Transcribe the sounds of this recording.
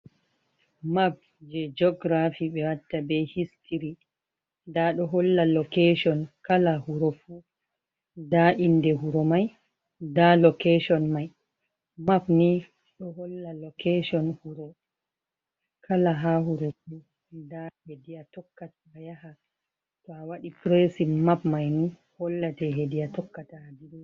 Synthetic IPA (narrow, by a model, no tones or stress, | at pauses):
map̚ | d͡ʒɛd͡ʒɔɡɾafiɓɛwatːabɛhistʰiɾi | daɗɔɦɔlːalɔkeʃɔnkalahuɾɔfu | daʔindɛɦuɾɔmaj | dalɔkeʃɔnmaj | mapni | ɗɔɦɔlːalɔkeʃɔnhuɾɔ | kʰalaɦahuɾofu | dahediatɔkːatajaha | tɔawaɗipɾesimapmajnu | hɔlːatɛɦedijatɔkːataːdiɾu